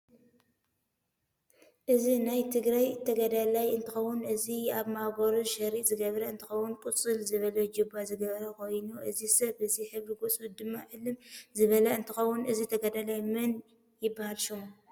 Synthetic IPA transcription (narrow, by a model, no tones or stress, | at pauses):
ʔɨzinajt̪ʰɨɡɾajt̪ʰɐɡɐd̪alajɨnt̪ʰɨxɐwːunɨziaβmaɡʷɐɾuʃɐɾizɨɡɐβɾɐɨnt̪ʰɨxɐwʊnkʼut͡sʼɨlzɨβɐlɐd͡ʒubazɨɡɐβɾɐkʰo̞jnuʔɨzisɐβɨziħɨβliɡot͡sʼud̪ɨmːaʕɨlːɨmzɨβɐlɐɨnt̪ʰɨxɐwːunɨzit̪ʰɐɡɐd̪alajmɐn | jɪbːahalʃumu